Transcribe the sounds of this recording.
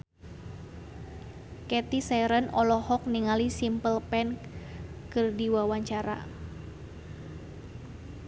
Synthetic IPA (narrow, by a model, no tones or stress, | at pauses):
kɛt̪isɛɾənɔlɔhɔk̚niŋalisimpəlpɛn | kɨrdiwawaɲt͡ʃaɾa̰